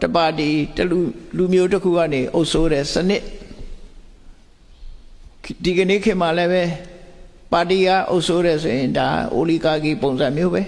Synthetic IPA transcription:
tə˨pa˨ti˨təlu˨lu˨mjo˦təkʰṵ˦˨ɡa˦˨ne˨ʔo˦ʊʔsʰo˦ɾɛ˨sənɪ˦ʔ | di˨ɡə˨ne˦˨kʰɪ̃˨ma˨lɛ˦βɛ˦ | pa˨ti˨ɡa̰˦˨ʔo̰˦ʊʔsʰo˦ɾɛ˨sʰo˨jɪ̃˨nda˨a̰ʔo̰˨li˦˨ka˦ɡi˦˨põ˨ʊ̃zã˨mjo˦βɛ˦

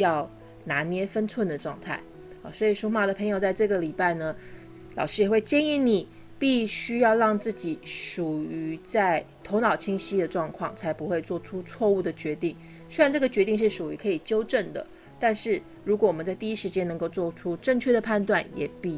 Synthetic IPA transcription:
jɑ˥˩ʊ | na˧˥njɛ˥fə˥nt͡sʰwə˥˩nd̪ə˩ʈ͡ʂwɑ̰˥˧ŋt̪ʰa̰˥˩ɪ | ɑ˨˩swɔ˧˥i˨˩ʂu˥ma˥˩d̪ə˩pʰɤ˧˥ŋjo˨˩ʊt͡sa˥˧ɪʈ͡ʂɤ˥˩ɡə˩li˨˩pa˥˩ɪnə˩ | lɑ̰˨˩ʊʂɻ̩˥jɛ˨˩xwe˥˩ɪt͡ɕjɛ˥˧ni˥˩ni˨˩˦ | pi˥˩ɕy˥jɑ˥˧ʊɻɑ˥˧ŋt͡sɹ̩˥˩t͡ɕi˨˩˦ʂu˨˩y˧˥t͡sa˥˩ɪt̪ʰo˧˥ʊnɑ˨˩ʊt͡ɕʰi˥ŋɕi˥d̪ə˨ʈ͡ʂwɑ˥˧ŋkʰwɑ̰˥˩ŋt͡sʰa˧˥ɪpu˧˥xwe˥˧ɪt͡swɔ˥˩ʈ͡ʂʰu˥t͡sʰwɔ˥˧u˥˩d̪ə˩t͡ɕɥɛ˧˥t̪i˥˩ŋ | swe˥ɻa˧˥nʈ͡ʂɤ˥˩ɡə˩t͡ɕɥɛ˧˥t̪i˥˧ŋʂɻ̩˥˩ʂu˨˩y˧˥kʰɤ˧˥i˨˩t͡ɕjo˥ʊʈ͡ʂə˥˩nd̪ə̰˩ | t̪a˥˧nʂɻ̩˥˩ | ɻu˧˥kwɔ˨˧˥wɔ˨˩ə˦nt͡sa˥˧ɪt̪i˥˩i˥ʂɻ̩˧˥t͡ɕjɛ˥nɤ˧˥ŋko˥˧ʊt͡swɔ˥˩ʈ͡ʂʰu˥ʈ͡ʂɤ˥˧ŋt͡ɕʰɥɛ˥˩d̪ə˩pʰa˥˧nt̪wa˥˩njɛ̰˨˩pi˥˩

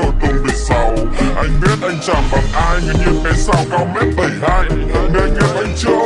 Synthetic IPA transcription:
o˧˩jkə˧wŋ͡mɓi˨˧˩sa˧wʔa˧jŋ̟ɓi˦˥ət̚ʔa˧jŋ̟t͡ɕa˧˩mɓa˨˩nʔaː˧jɲɨ˧ɲɨ˨˧kɛ˨˩˦sa˧wka˧wmɛ˦˥t̚ɓə˨˩jnaː˧jme˧˨˩ŋɛ˧˩mʔa˧jŋ̟t͡ɕɨ˦˥ə

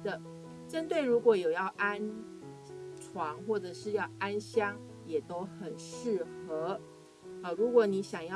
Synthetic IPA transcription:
ə˨ | ʈ͡ʂə˥nt̪we˥˩ɪɻu˧˥kwɔ˨˥˦jo˨˩ʊjɑ˥˩ʊʔa˥n | ʈ͡ʂʰwɑ˧˥ŋxwɔ˥˩ʈ͡ʂɤ˨˩ʂɻ̩˥˧jɑ˥˩ʊʔa˥nɕjɑ˥ŋ | jɛ˨˩t̪o˥ʊxə˨˩nʂɻ̩˥˩xɤ˧˥ | ə˧˩ɻu˧˥kwɔ˧˥˦ni˧˥ɕjɑ˨˩ŋjɑ˥˧

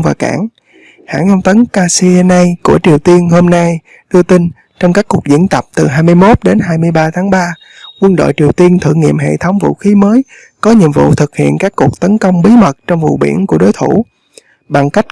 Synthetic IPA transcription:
vaː˨˩ka̰ː˧˩ŋ | ha̰ː˧˥ŋə˧wŋ͡mt̪ə˨˦nkaː˧si˧na˧jku˧˩ət͡ɕi˨˩əwt̪i˧ənho˧mna˧j | ɗɨ˧ət̪ï˧n | t͡ɕɔ˧wŋ͡mkaː˦˥kːu˨˩ək̚zḭ˧˥ənt̪ə˨˩p̚t̪ɨ˨˩ɦaː˧jmɨ˧əjmo˦˥t̚ɗe˨˦nɦaː˧jmɨ˧əjɓaː˧t̪ʰaː˨˦ŋɓaː˧ | kwə˧nɗo̰˧˨jt͡ɕi˨˩əwt̪i˧ənt̪ʰɨ̰˧˨ŋḭ˧˨əmɦḛ˧˨t̪ʰə˨˦wŋ͡mvṵ˧˨xi˨˦məː˨˦j | kɔ˨˦ɲḭ˧˨əmvṵ˧˨t̪ʰɨ˨˩k̚hḭ˧˨ənkaː˦˥kːu˨˩ək̚t̪ə˨˦nkə˧wŋ͡mɓi˨˦mə˨˩t̚t͡ɕɔ˧wŋ͡mvṵ˧˨ɓḭ˧˩ənku˧˩əɗo˨˦jt̪ʰu˧˩ | ɓa˨˩ŋka˦˥jk̟̚

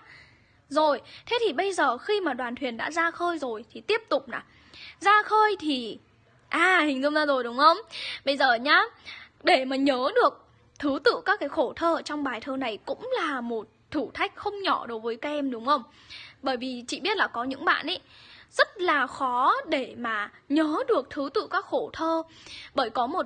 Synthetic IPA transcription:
zo˨˩jt̪ʰe˨˦t̪ʰi˨˩ɓə˧jzəː˨˩xi˧maː˨˩ɗwaː˨˩nt̪ʰwi˨˩ənɗa̰ː˧˥zaː˧xəː˧jzo˨˩jt̪ʰi˨˩t̪i˦˥əp̚t̪ʊ˨˩k͡p̚naː˨˩ | zaː˧xəː˧jt̪ʰi˨˩ | ʔaː˨˩hï˨˩ŋ̟zʊ̰˧ŋ͡mzaː˧zo˨˩jɗʊ˨˦wŋ͡mxə˧wŋ͡mɓə˧jzəː˨˩ɲaː˧ɗe˧˩maː˨˩ɲəː˨˦ɗɨ˨˩ək̚ | t̪ʰɨ˨˦t̪ɨ̰˧˨kaː˦˥kːaː˨˦jxo˧˩t̪ʰəː˧t͡ɕɔ˧wŋ͡mɓaː˨˩jt̪ʰəː˧na˨˩jkʊ̰˧˥ŋ͡mlaː˨˩mo˨˩t̚t̪ʰɨ˧˩t̪ʰa˦˥jk̟̚xə˧wŋ͡mɲɔ˧˩ɗo˨˦jvəː˨˦jkaː˧˥ʔɛ˧mɗʊ˨˦ŋ͡mxə˧wŋ͡m | ɓəː˧˩jvi˨˩t͡ɕḭ˧˨ɓi˦˥ət̚laː˨˩kɔ˨˦ɲɨ̰˧˥ŋɓa̰ː˧˨nʔə˨˦jz̥ə˦˥t̚laː˨˩xɔ˨˦ɗe˧˩maː˨˩ɲəː˨˦ɗɨ˨˩ək̚t̪ʰɨ˨˦t̪ɨ̰˧˨kaː˦˥k̚xo˧˩t̪ʰəː˧ɓəː˧˩jkɔ˨˦mo˨˩t̚

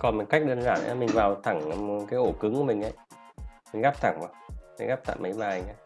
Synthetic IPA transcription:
kɔ˨˩nmɨ˨˩ka˦˥k̚ɗəː˧nzaː˧˩˨nʔa̰ː˧˦mi˨˩ŋ̟vaː˨˩wt̪ʰa˧˩ŋ˧kaː˨˦jʔo˧˩kɨ˨˦ŋku˧˩mï˨˩ŋ̟ʔə̰˧˩˦j | mï˨˩ŋ̟ɣaː˦˥p̚t̪ʰa˧˩ŋvaː˨˩wmï˨˩ŋ̟ɣaː˦˥pt̪ʰa̰ː˧˨jmə˨˦jmaː˧˩i˨˩ŋʔa˨˦

